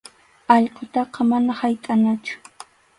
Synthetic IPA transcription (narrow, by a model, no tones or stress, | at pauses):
ɑʎqot̪ɑqɑmanahajt̪ʼanat͡ʃʊ̥